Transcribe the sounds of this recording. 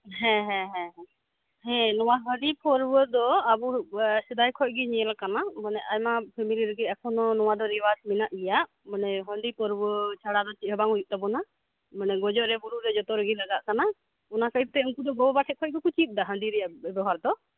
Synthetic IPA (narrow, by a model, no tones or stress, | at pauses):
ɦɛ̃ɦɛ̃ɦɛ̃ɦɛ̃ | hɛ̃nɔwaɦəɖipɔɾbəd̪ɔabusɛd̪ajkʰɔc̚ɡiɲɛɛlakanamənɛʔajmapʰɛmiliɾəɡiakʰɔnɔnɔwad̪ɔɾiwasminaʔɡɛjaʔ | mənɛɦəɳɖipɔɾbət͡ʃʰaɽad̪ɔt͡ʃiɦəbaŋujuʔ̚t̪abɔna | mənɛɡɔd͡ʒɔʔɾɛbuɾuɾɛd͡ʒɔt̪ɔɾəɡilaɡaʔkana | ɔnakəjt̪ɛuŋkud̪ɔɡɔbɔbaʈʰɛkʰɔc̚ɡikut͡ʃit̪̚ˀd̪aɦəɳɖiɾɛjaʔɛbɛɦaɾd̪ɔ